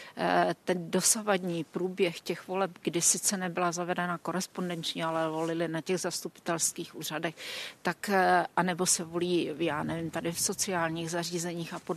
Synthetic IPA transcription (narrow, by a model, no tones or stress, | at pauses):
t̪ɛndo̞savadɲiːpɾuːbjɛxcɛxvo̞lɛpɡdɪsɪt͡sɛnɛbɪlazavɛdɛnako̞ɾɛspo̞ndɛnt͡ʃɲɛalɛvo̞lɪlɪnacɛɣzast̪upɪ̥t̪ɛlskiːxʔuːr̝adɛxt̪akʔanɛbo̞sɛvo̞liːjaːnɛvɪmt̪adɪfso̞t͡sɪaːlɲiːɣzar̝iːzɛɲiːxapo